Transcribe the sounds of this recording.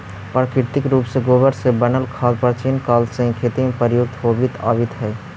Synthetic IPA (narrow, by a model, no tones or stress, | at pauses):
pɾəkɪɾt̪ɪkɾuːpseɡoːbəɾsebənəlkʰaːlpəɾt͡ʃinkaːlsə̃ɦĩkʰeːt̪imepəɾjoɡ̚t̪ɦoːbɪt̪aːbɪt̪ɦɛː